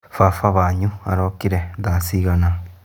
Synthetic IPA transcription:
fafaβaɲũa̰ɾokiɾed̪asiɣanã

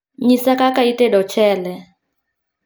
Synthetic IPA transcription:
ɲisakʼakaitʼɛdɔt͡ʃʰɛːlɛ

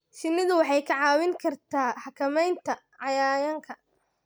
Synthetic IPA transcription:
ʃɪnɪðʊwɑħɑjkʰɐʕɑːwɪŋkʰɐrt̪ʰaːħɑkʰɐmɛjnt̪ʰɐ | ʕɑjaːjɐŋkʰɐ

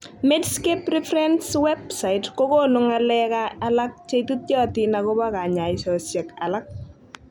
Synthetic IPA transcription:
medskeprifɾɛnswɛb̚saitkokonʊŋalɛkaːlak̚t͡ʃetut̚jɔtinakɔbakaɲaisɔsjɛka̰lak̚

